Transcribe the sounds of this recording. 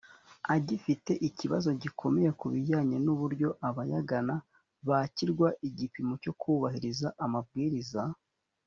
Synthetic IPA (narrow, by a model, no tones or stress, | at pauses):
aɟifite̞ʔiciβazo̞ɟikʰo̞me̞je̞kuβiɟaːɲenuβuɾɟo̞ʔaβajaɡana | βaciɾɡwaʔiɟipimo̞co̞kʰuβahiɾizaʔamabɡiːɾiza